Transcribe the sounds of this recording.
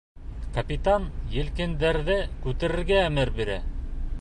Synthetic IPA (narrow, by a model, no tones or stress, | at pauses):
kɐpʲit̪ɑnjɘ̆lkɘ̆nd̪æɾðɘkʉt̪ɘ̆ɾɘ̆ɾɡæːmɘɾbiɾæ̰